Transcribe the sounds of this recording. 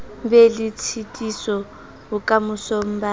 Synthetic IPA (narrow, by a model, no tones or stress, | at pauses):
bɛlɪt͡sʰitʼisɔ | ʊkʼamʊsom̩ba